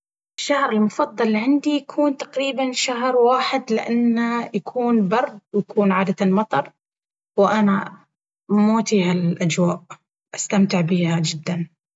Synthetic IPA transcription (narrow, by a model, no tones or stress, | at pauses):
ɪʃːahɾɪlmʊfɑd̪ˤːɑlːʕɪnd̪ijakʰuːnt̪ḁqɾiːbanʃaɦɾwaːħɪd̪lɪʔanːajakʰuːnbɑɾˤd̪wjakuːnʕaːd̪at̪lmɑt̪ˤɑɾˤ | wɪʔana | moːt̪ihalʔad͡ʒwaːʔ | ʔast̪amt̪ɪʕbiːhad͡ʒɪd̪ːan